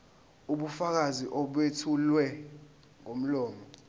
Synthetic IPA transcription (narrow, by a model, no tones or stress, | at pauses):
uɓufak̬aziʔɔɓwetʰulwɛ | ŋom̩lɔːmɔ